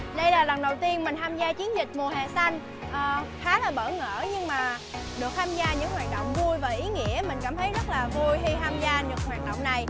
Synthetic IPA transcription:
ɗə˧jlaː˨˩lə˨˩nɗə˨˩wt̪i˧ənmï˨˩ŋ̟t̪ʰaː˧mzaː˧t͡ɕi˨˦ənzï˨˩k̟̚mu˨˩əɦḛ˧˨sa˧jŋ | ʔəː˨˩xaː˨˦laː˨˩ɓəː˧˩ŋə̰ː˧˥ɲɨ˧ŋmaː˨˩ | ɗɨ˨˩ək̚t̪ʰaː˧mzaː˧ɲɨ̰˧˥ŋɦwaː˨˩t̚ɗə̰˧˨wŋ͡mvu˧jvaː˨˩ʔi˨˦ŋḭ˧˥əmï˨˩ŋ̟kaː˧˩mt̪ʰə˨˦jzə˦˥t̚laː˨˩vu˧jɦi˧t̪ʰaː˧mzaː˧ɲɨ˨˩k̚hwaː˨˩n̚ɗə̰˧˨wŋ͡mna˨˩j

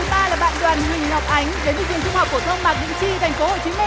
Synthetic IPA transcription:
ɨ˨˦ɓaː˧laː˨˩ɓa̰ː˧˨nɗwaː˨˩nhï˨˩ŋ̟hɔ˨˩wk͡p̚ʔa˨˦jŋ̟ɗe˨˦nt̪ːkt͡ɕi˨˩əŋt͡ɕʊ˧ŋ͡mha˨˩k͡p̚ko˧˩t̪ʰə˧wŋ͡mmaː˨˩k̚ɲɨ̰˧˥ŋt͡ɕḭ˧˨t̪ʰjŋ̟fo˨˦ho̰˧˨t͡ɕi˨˦m˧

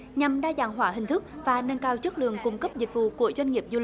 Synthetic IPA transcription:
ɲa˨˩mɗaː˧zaː˧˩ŋɦwaː˧˩˦ɦï˨˩ŋ̟t̪ʰɨ˦˥k̚vaː˨˩nə˧nkaː˧wt͡ɕə˦˥k̚lɨ̰˧˨əŋkʊ˧ŋ͡mkə˦˥p̚zï˨˩k̟̚vṵ˧˨ku˧˩əzwa˧ŋŋi˨˩əp̚zu˧li˨˩

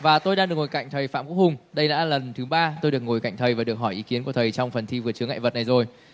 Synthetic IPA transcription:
vaː˨˩t̪o˧jɗaː˧ŋɗɨ˨˩ək̚ŋo˨˩jka̰˧˨jŋ̟t̪ʰə˨˩jfa̰ː˧˨mku˧˦˥khʊ˨˩ŋ͡mɗə˧jla̰ː˧˩lə˨˩nt̪ʰɨ˨˦ɓaː˧t̪o˧jɗɨ˨˩ək̚ŋo˨˩jka˧˨jŋ̟t̪ʰə˨˩jvaː˨˩ɗɨ˨˩ək̚hɔ˧˩jʔi˨˦ki˨˦ənku˧˩ət̪ʰə˨˩jt͡ɕɔ˧wŋ͡mfə˨˩nt̪ʰi˧vɨ˨˩ət͡ɕɨ˨˦əŋa̰˧˨və˨t̚na˨˩jzo˨˩j

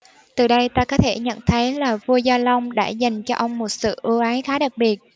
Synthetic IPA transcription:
t̪ɨ˨˩ɗə˧jt̪aː˧kɔ˨˦t̪ʰe˧˩ɲə̰˧˨nt̪ʰə˨˦jlaː˨˩vu˧əzaː˧lə˧wŋ͡mɗa̰ː˧˥za˨˩jŋ̟t͡ɕɔ˧ʔə˧wŋ͡mmo˨˩t̚sɨ̰˧˨ʔɨ˧ʔaː˨˦jxaː˨˦ɗa˨˩k̚ɓi˨˩ət̚

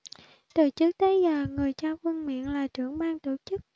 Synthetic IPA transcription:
t̪ɨ˨˩t͡ɕɨ˦˥k̚t̪ʰe˨˦zaː˨˩ŋɨ˨˩əjt͡ɕaː˧ŋxə˧nmḭ˧˨ənlaː˨˩t͡ɕɨ˧˩əŋɓaː˧ŋt̪o˧˩t͡ɕɨ˦˥k̚

